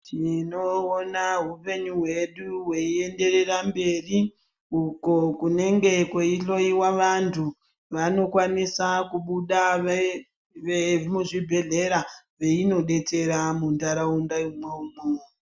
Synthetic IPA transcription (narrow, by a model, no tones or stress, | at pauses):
tʰino̞ːnaɦupe̞ɲuɦwe̞ɗuwe̞ie̞nde̞re̞rambe̞ri | uko̞kune̞ŋɡe̞kweiɬo̞iwaʋantʰu | ʋano̞kwanisakuɓuɗa | ʋemuʐibʱe̞ɮe̞ɾa | ʋe̞ino̞ɗe̞t͡se̞ɾamundaɾaundaimweumo